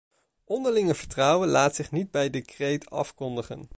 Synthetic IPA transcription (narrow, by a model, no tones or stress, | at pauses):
ʔɔndəɹlɪŋəv̥əɹtrʌwənlaːtsɪχnid̚bɛjdəkrejtɑ̰fkɔndəχə̰n